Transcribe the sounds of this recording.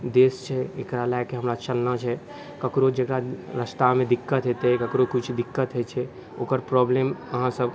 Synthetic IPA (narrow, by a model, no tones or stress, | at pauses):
d̪eːst͡ʃʰɛḛkɾalakeɦəmɾat͡ʃəlnat͡ʃʰɛ | kəkɾod͡ʒekɾaɾəst̪amẽd̪ikːət̪ɦet̪eɦɛkəkɾokʊt͡ʃʰd̪ikːət̪ɦɛt͡ʃʰɛ | o̰ːkəɾpɾɔbleməɦãsəb